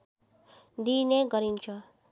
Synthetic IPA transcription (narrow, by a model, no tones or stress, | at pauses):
d̪ineɡʌɾint͡sʰʌ